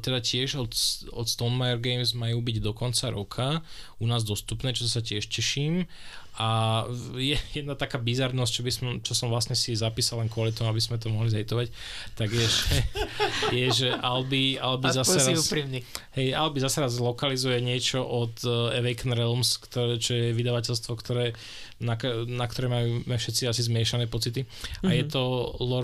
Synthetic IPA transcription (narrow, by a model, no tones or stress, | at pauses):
t̪ɛd̪acɪɛʒɔt̪sɔt̪st̪ɔnmajɛɾɡɛjmzmajuːbiɟd̪ɔkɔnt͡saɾɔkʰa | unaːzd̪ɔst̪upnɛːt͡ʃɔɔsacɪɛʃcɛʃiːm | a | jɛjɛd̪nat̪akaːbizaɾnɔsct͡ʃɔbisɔmt͡ʃɔsɔmʋlasɲɛsizapiːsalɛnkʊɔlit̪ɔmuabizmɛt̪̬ɔmɔɦlizɛjt̪ɔʋac | t̪aɡjɛʒɛ | jɛʒɛʔalbialbizasɛɾauːpɾimniɦɛjalbizasɛɾazlɔkalizujɛɲɪɛt͡ʃɔʔɔd̪ɛʋɛjknɾɛlmskt̪ɔɾɛt͡ʃɔjɛʋid̪aʋac̬ɛlst̪ʋɔkt̪ʰɔɾɛː | naknak̚t̪ɔɾɛːmajuːmɛfʃɛt̪t͡siasizmɪɛʃanɛːpɔt͡sit̪i | ajɛt̪ɔlɔ